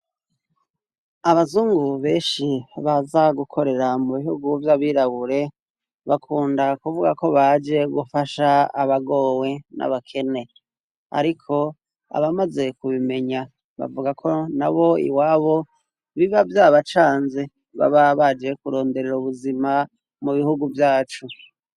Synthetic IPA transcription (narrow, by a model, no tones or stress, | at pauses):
aβazuːŋɡuβe̞ːnʃiβazaɡukʰo̞ɾe̞ɾamuβihuɡuvjaβiɾaβuɾe̞ | βakʰuːndakuvuɡako̞βad͡ʒe̞ɡufaʃaaβaɡo̞ːwe̞na̰βakʰe̞ne̞ | a̰ɾikʰo̞ | a̰βamaze̞kuβime̞ɲa | βa̰vuɡakʰo̞na̰βo̞ḭwaːβo̞ | βiβavjaːβat͡ʃaːnze | βa̰βaβad͡ʒe̞kuɾo̞ːnde̞ɾeɾuβuzima | muβihuɡuvjaːt͡ʃu